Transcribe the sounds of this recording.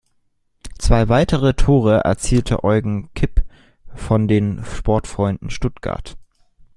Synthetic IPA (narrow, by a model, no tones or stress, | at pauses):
t͡sv̥aɪvaɪtʰəʁ̞ətʰoːʁ̞əʔɛ̰ɐt͡siːltʰə̰ʔɔʏɡŋ̩kʰɪp | fɔndeːnʃpɔɐtfʁ̥ɔʏndn̩ʃtʊtɡ̥a̰ɐt